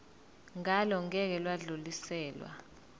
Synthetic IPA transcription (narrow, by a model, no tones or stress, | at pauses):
ŋalɔŋɛk̬ɛlwaɮulisɛːlwa̰